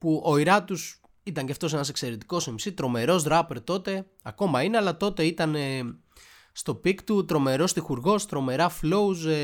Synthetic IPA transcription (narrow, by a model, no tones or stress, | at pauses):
puʔo̞iɾɐt̪us | it̪ɐɲceɐft̪o̞se̞nɐse̞kse̞ɾe̞t̪i̥ko̞semisit̪ɾo̞me̞ɾo̞zðɾɐpeɾt̪o̞t̪e̞ | ɐko̞mɐineɐlɐt̪o̞t̪e̞it̪ɐne | st̪o̞pikt̪ut̪ɾo̞me̞ɾo̞st̪ixuɾɣo̞st̪ɾo̞me̞ɾɐflo̞uz